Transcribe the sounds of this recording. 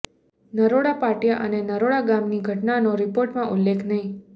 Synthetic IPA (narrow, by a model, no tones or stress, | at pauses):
nəɾoɽapaʈjaʔənenəɾoɽaɡamniɡʱəʈnanoɾipoɾʈmãʔulːekʰnəɦĩ